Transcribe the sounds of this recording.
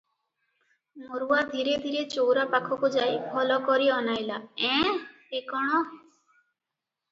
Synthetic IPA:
moɾuwad̪ʱiɾed̪ʱiɾet͡ʃowɾapakʰɔkud͡ʒajbʱɔlɔkɔɾiɔnajlaɛ̃ | ekɔɽ̃ɔ

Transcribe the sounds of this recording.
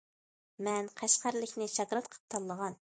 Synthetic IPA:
mɛnqʰæʃqæɾlɪkʲnɪʃɑkɾɑt̪qʰə̥p̚t̪ʰɑlˠːəʁɑn

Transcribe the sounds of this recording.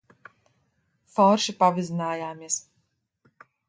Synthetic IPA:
fɔɾʃipavizinaːjaːmiɛs

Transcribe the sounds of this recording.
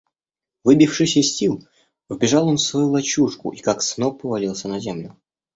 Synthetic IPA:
vɨbʲifʂɨsʲəsʲilˠ | vbʲɪʐɑlˠo̞nfsvɐjulˠɐt͡ɕuʂkʊ̰ʔikaksnopːəvɐlʲilˠsʲənɐzʲemlʲʊ

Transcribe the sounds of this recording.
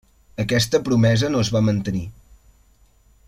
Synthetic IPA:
əkɛst̪əpɾumɛzənozβamənt̪əni

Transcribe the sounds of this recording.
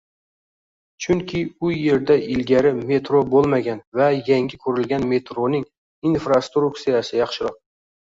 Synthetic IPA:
t͡ʃʰʊŋkʲʰɪʊje̞ɾd̪aʔɪlɡʲaɾɪme̞t̪ɾobolˠmaɡʲanvajaŋɡʲɪkʰɵɾɪlɡʲanme̞t̪ɾonɪŋ | infɾast̪ɾʊkt̪sijasɪjɑχʃɪɾɑq̚

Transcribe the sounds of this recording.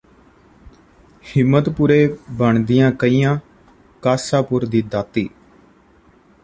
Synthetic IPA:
hɪmːət̪puɾeːbəɳd̪ɪjãːkəiːjãː | kaːsaːpʊɾd̪iːd̪aːt̪ːḭː

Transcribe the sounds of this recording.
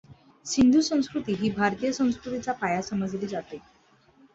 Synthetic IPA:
sind̪ʱuːsə̃w̃skɾut̪iːɦiːbʱaɾt̪ijəsə̃w̃skɾut̪it͡sapajasəməd͡zliːd͡zat̪e

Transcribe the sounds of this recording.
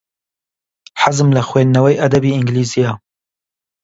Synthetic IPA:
ħazɨmlɐxweːnːɐwɛjʔɐd̪ɐbiːɪŋɡliːzijɑː

